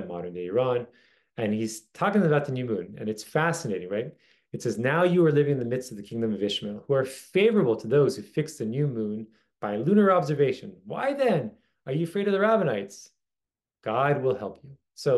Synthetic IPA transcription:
mɑ̰ɾə̃˞ndeɪə˞ɑ̃n | ɨ̃niz̥tʰɔkɪ̃ŋəbaʊt̪̚ðɨnjʉmũnɨ̰̃nɨtsfæsɨneɪɾɪ̃ŋɹaɪɾ | ɨtsɛznaʊjɨə˞lɪvɪ̃ŋɨ̃nðɨmɪdstʌvðɨkʰɪ̃ŋdɨ̃mʌvɪʃmɪlˠhuə˞feɪvə˞əbl̩ˠtʰəðoʊz̥hʉfɪksðɨnjʉmũn | b̥aɪlʉnə˞ɑbzə˞veɪʃɨ̃nwa̰ɪðɨ̃n | ə˞jɨɨfɹeɪɾʌvðəɹævɨnaɪts | ɡ̥ɑd̚wɪlˠhɛlˠpʰjʉ | soʊ

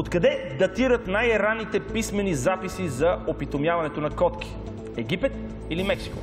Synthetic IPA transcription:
ot̪kɐd̪ɛd̪ɐt̪iɾət̪najɾanːit̪ɛpismɛnizapisizɐopit̪omjavɐnɛt̪onɐkɔt̪ki̥ | ɛɡ̟ipɛt̪ | ilimɛksi̥ko

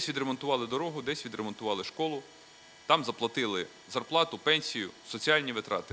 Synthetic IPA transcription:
sʲʋʲid̪ɾemɔnt̪ʊʋɑlˠɪd̪ɔɾɔɦʊd̪ɛsʲʋʲid̪ɾemɔnt̪ʊʋɑlˠɪʃkɔlˠʊ | t̪ɑmzɐplˠɐt̪ɪlˠɪ | zɐrplˠɑt̪ʊpɛnʲsʲijʊsɔt͡sʲiɑlʲnʲiʋɪt̪ɾɑ̰t̪ɪ

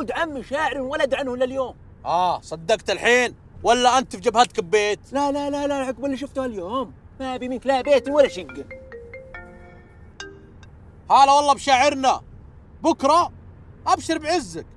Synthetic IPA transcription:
d̪ʕamːɪʃaːʕɪɾinwalad̪ʕanhɪlːaljoːm | ʔaːsˤɑd̪ːɑɡt̪alħiːn | walːaʔant̪fd͡ʒabhat̪kɪbːeːt̪lalalalaħɪkbɪlːiʃ̬ʊft̪ʊhaljoːm | mabimɪnklabeːt̪walːaʃaɡːan | haːlawɑlˤːɑbʃaːʕɪɾna | bʊkɾˤɑ | ʔabʃɪɾbʕɪzːak̚

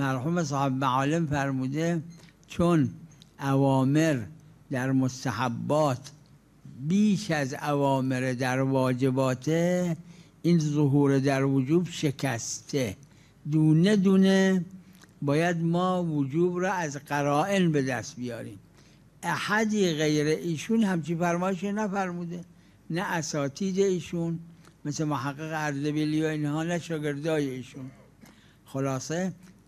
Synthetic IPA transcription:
mæɾhuːmes̬ɒːhebmæʕɒːlemfæɾmuːd̪et͡ʃʰonʔævɒːme̞ɾ | d̪æɾmost̪æhabːɒːt̪ʰ | biːʃæzævɒːmeɾed̪æɾvɒːd͡ʒe̞bɒːt̪ʰe | ʔiːnzoɦuːɾed̪æɾvod͡ʒuːbʃe̞kʰæst̪ʰe | d̪uːne̞d̪uːne | bɒːjæd̪mɒːvod͡ʒuːbɾɔːæzɡæɾɒːʔe̞nbed̪æst̪bijɒ̰ːɾḭːm | ʔæhæd̪iːɣejɾeʔiːʃunhæmt͡ʃinfæɾmɒːjeʃonæfæɾmuːd̪e | næʔːsɒːt̪ʰiːd̪eiːʃunmeslemohæɡːeɣeæɾzebilijoinhɒːnæʃɒːɡe̞ɾd̪ɒːjeiːʃun | xolɑːse

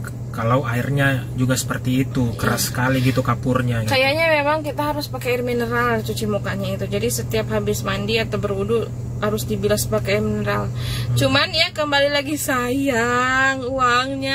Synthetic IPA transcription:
kalawairɲad͡ʒuɡasə̥pərt̪iːt̪ukəɾasə̥kaliɡit̪ukapʊrɲakajaɲamemaŋkit̪aɦaɾʊspakɛɪrminəɾalt͡ʃut͡ʃimukaɲait̪ud͡ʒadisət̪iapɦabɪsmandiat̪awbərudu | haɾʊsdibilaspakɛrminəɾalt͡ʃumanjakəmbalilaɡisajaŋuaŋɲa

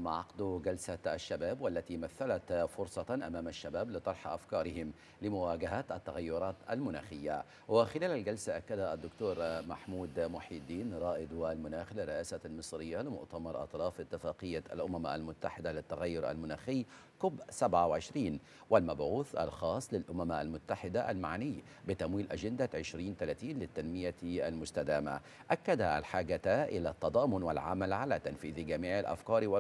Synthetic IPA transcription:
ʔamaʕɑqd̪uɡalsaʔa̰ʃːabaːbwalːat̪imaθːalat̪fʊɾsˤɑʔamaːmaʃːabaːblɪt̪ˤɑɾˤħʔa̰fkɑːɾɪhɪm | lɪmʊwaːɡaɦat̪ʔat̪ːaɣajːʊɾˤɑːt̪a̰lmʊna̰ːxɪjːa̰ | wɪxɪlaːlalɡalsaʔakːad̪aad̪ːʊkt̪uːɾmaħmuːd̪mʊħiːd̪ːiːnɾˤɑːʔɪd̪walmʊnaːxlɪrːɪʔaːsalmɨsˤɾɪjːalɪmʊ̰ʔt̪amɑɾˤʔɑ̰t̪ˤɾˤɑːfʔɪt̪ːɪfaːqɨjːaa̰lʔʊmama̰lmʊt̪ːaħɪd̪alɪt̪ːaɣajːʊɾʔa̰lmʊnaːxɪjː | kʊbsabʕawʕɪʃɾiːn | wɪlmabʕuːθʔa̰lxɑːsˤlɪlʔʊmamʔa̰lmʊt̪ːaħɪd̪aʔa̰lmaʕnɪjː | bɪt̪amwiːlʔad͡ʒɪnd̪aʕɪʃɾiːnt̪alaːt̪iːnlɪt̪ːanmɪjaʔalmʊst̪ad̪aːma̰ | ʔakːad̪aʔalħaːɡat̪aʔɪlat̪ːɑd̪ˤɑːmʊnwɪlʕamalʕalat̪anfiːðɡamiːʕalʔa̰fkɑːɾˤwɪ

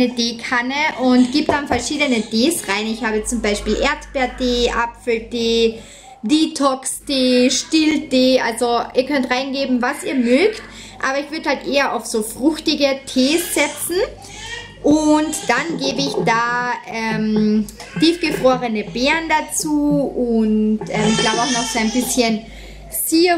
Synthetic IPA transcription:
nədeːkʰanəʔʊntɡ̥iːbd̥anfɛɐʃiːdənətʰeːsʁaɪnɪçhaːbət͡sʊmbaɪʃpiːlʔeːɐtb̥ɛːɐteːʔapfl̩teː | diːtʰɔksteːʃtildeːʔalzoiːɐkʰœntʁaɪnɡeːbm̩vasiːɐmøːkt | ʔa̰ːbɐɪçv̥ʏɐdəhaltʔeːɐʔa̰ʊfsoːfʁ̥ʊxtɪɡətʰeːsz̥ɛt͡sn̩ | ʔʊntd̥anɡeːbəɪçd̥aːʔɛmtiːfɡ̥əfʁ̥oːʁənəbɛːɐndat͡suːʊntʔɛːmɪçɡ̥laʊbəaʊxnɔxz̥oːaɪnbɪsçən | siː

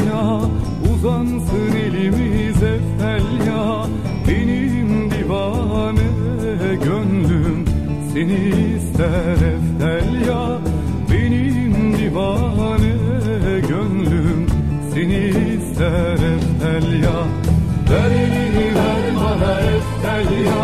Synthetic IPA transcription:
ja | uzansɯnelimizɛfælja | beni | md̪ivɑ | nɯ | ɟønlym | seni | sæɾɛft̪ælʲja | benimd̪ivɑnɯ | ɡønlym | seni | sæɾɛft̪ælʲja | bæɾiiimaɾbanaɾɛft̪ælja

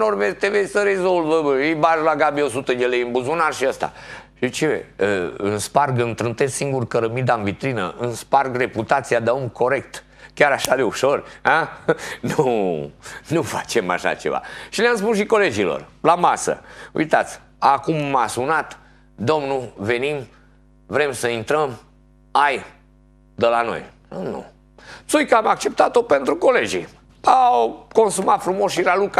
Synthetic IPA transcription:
norvet̪evesʲsəɾe̞zo̞lvəijbaʒlaɡabio̞sut̪əd̪elejɨnbuzunarʃiast̪a̰ʃit͡ʃevḛɨnsparɡɨnt̪ɾɨnt̪essiŋɡurkəɾəmid̪anvit̪ɾinə̰ʔɨnsparɡre̞put̪at̪sijad̪aumkʰo̞ɾe̞kt̪ | kʲaɾaʃad̪e̞uʃo̞ranu | nufat͡ʃe̞ma̰ʃa̰t͡ʃeva̰ʃileamspusʃiko̞le̞d͡ʒilo̰rlamasə̰ṵjt̪at̪sʲ | akumːasunat̪ | d̪o̞mnuve̞nim | vɾe̞msəint̪ɾəm | aj | d̪əlano̞̰jnunṵ | t̪sujkəamak̚t͡ʃe̞p̚t̪at̪o̞pe̞nt̪ɾuko̞le̞d͡ʒi | awko̞nsumat̪fɾumosʃiɾaluka

